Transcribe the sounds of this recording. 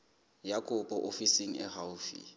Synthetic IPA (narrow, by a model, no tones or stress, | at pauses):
jakʼʊpʼɔʔofisiŋ̩ɛ̰hawfḭ